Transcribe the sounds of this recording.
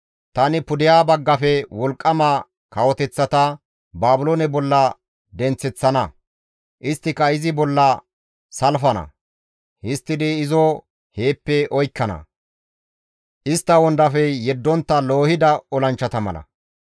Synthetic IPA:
t̪ɐnɪpʊd̪ɪjaːbɐɡːɐfɛwɔlkʼːɐma | kɐwɔt̪ɛt͡sːɐt̪ɐ | baːbʊloːnɛbɔlːɐ | d̪ɛnt͡sːɛt͡sːɐnɐ | ʔɪst̪ːɪkɐɪzɪbɔlːɐ | sɐlfɐnɐ̰ | hɪst̪ːɪd̪iɪzɔ | he̞ːpːɛʔɔjkːɐnɐ̰ | ʔɪst̪ːɐwɔnd̪ɐfɛjɛd̪ːɔnt̪ːɐlo̞ːhɪd̪ɐɔlɐnt͡ʃːɐt̪ɐmɐ̰lɐ̰

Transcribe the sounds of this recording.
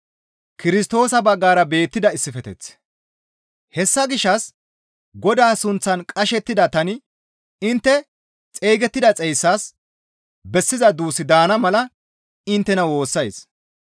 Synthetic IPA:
kɪɾɪst̪o̞ːsɐbɐɡːaːɾɐbe̞ːt̪ːɪd̪ɐɪsːɪfɛt̪ɛ̰t͡s | hɛsːɐɡɪʃːɐs | ɡɔd̪aːsʊnt͡sːɐnkʼɐʃɛt̪ːɪd̪ɐt̪ɐnɪ | ɪnt̪ːɛ | t͡sʼeːɡɛt̪ːɪd̪ɐt͡sʼɛjsːaːs | bɛsːɪzɐd̪uːsɪd̪aːnɐmɐlɐ | ɪnt̪ːɛnɐwo̞ːsːɐjs

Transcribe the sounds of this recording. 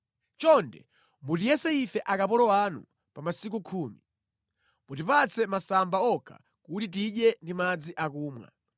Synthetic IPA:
t͡ʃɔndɛ̰ | mutijɛsɛifɛʔakapɔɾɔwanṵ | pamasik̬ukʰuːmi | mutipat͡sʰɛmasambaɔkʰa̰ | kutit̬iɗjɛndimad͡ziʔakuːmwa̰

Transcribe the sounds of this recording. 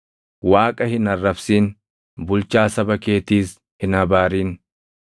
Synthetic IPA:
waːkʼɐhɪnɐrːɐfsiːn | bʊlt͡ʃaːsɐbɐke̞ːt̪iːs | hɪnɐbaːɾiːn

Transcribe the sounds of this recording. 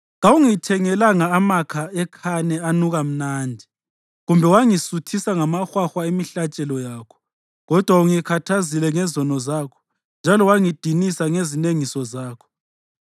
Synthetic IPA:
ɣauŋitʰɛŋɛlaŋaːmakʰaɛkʰanɛanuɣam̩naːndʱi | ɣumbʱɛwaŋisutʰisaŋamaxwaxwaimiɬat͡ʃʼɛlɔjaːkʰɔ̥ | ɣɔd̥ʱwauŋikʰatʰazilɛŋɛzɔnɔzaːkʰɔ̥ | nd͡ʒʱalɔwaŋid̥ʱinisaŋezineŋisɔzaːkʰɔ̥

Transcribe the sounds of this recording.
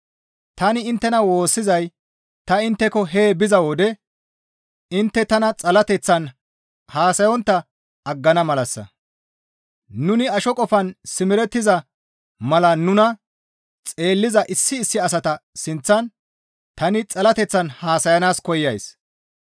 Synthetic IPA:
t̪ɐnɪɪnt̪ːɛnɐwo̞ːsːɪzɐj | t̪ɐɪnt̪ːɛkɔɦe̞ːbɪzɐwod̪ɛ | ɪnt̪ːɛt̪ɐnɐt͡sʼɐlɐt̪ɛt͡sːɐn | haːsɐjɔnt̪ːɐ | ɐɡːɐnɐmɐlɐsːɐ̰ | nʊnɪɐʃɔkʼɔfɐnsɪmɪɾɛt̪ːɪzɐ | mɐlɐnʊnɐ | t͡sʼe̞ːlːɪzɐʔɪsːɪːsːɪɐs̬ɐt̪ɐsɪnt͡sːɐn | t̪ɐnɪt͡sʼɐlɐt̪ɛt͡sːɐnhaːsɐjɐnaːskɔjːɐjs

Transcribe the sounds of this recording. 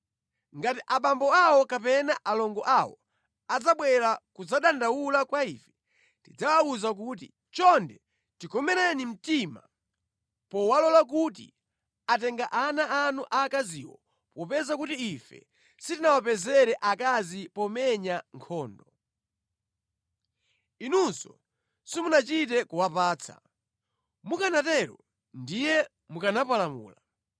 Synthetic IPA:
ŋɡatiʔaɓambɔawɔkapɛnaʔalɔŋɡɔʔawɔ̰ | ad͡zaɓwɛɾakud͡zaɗandawulakwaiːfɛ̥ | tid͡zawauzak̬ut̬ḭ | t͡ʃɔndɛ | tikɔmɛɾanim̩tima̰ | pɔwalɔlak̬ut̬ḭ | at̬ɛŋɡaʔanaanuʔakazḭːwɔ̰ | pɔpɛzakutiifɛ̰ | sitinawapɛzɛɾɛʔakazipɔmɛɲaŋkʰɔːndɔ | inunsɔ | simunat͡ʃit̬ɛkuwapaːt͡sʰa̰ | mukanatɛɾɔ | ndijɛ | mukanapalamṵːla

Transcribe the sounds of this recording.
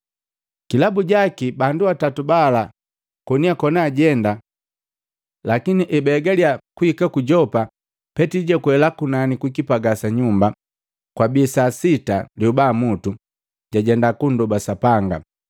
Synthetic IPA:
kilabuɟakibanduatatubala | kɔniakɔnaːɟɛnda | lakiniʔɛbɛɡaliakuikakuɟɔpa | pɛtiɟɛkuhɛlakunanikwikipaɡasaɲumba | kwabisasita̰liubamutu | ɟaɟɛndakundɔbasapaŋɡa̰

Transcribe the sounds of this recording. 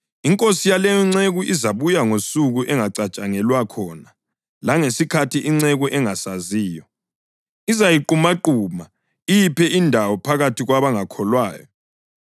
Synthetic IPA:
iŋkʼosijalɛjɔŋ͡ǀeɣuʔizaβujaŋosuɣuʔɛŋaǀat͡ʃʼaŋɛlwakʰɔna | laŋesikʰatʰiʔiŋ͡ǀɛɣuʔɛŋasaziːjɔ | izajiǃumaǃuma | ijipʰɛʔindʱawɔpʰaɣatʰiɣwaβaŋakʰɔlwaːjɔ

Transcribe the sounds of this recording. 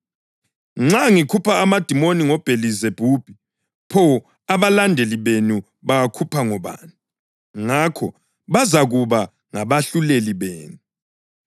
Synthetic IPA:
ŋ͡ǁaŋikʰupʰaːmad̥ʱimoniŋɔb̥ʱelizeb̥ʱuːb̥ʱi | pʰɔ | aβalandʱeliβenu | βaɣakʰupʰaŋɔβa̰ːni | ŋakʰɔ | βazaɣuβa | ŋaβaɬuleliβḛːnu

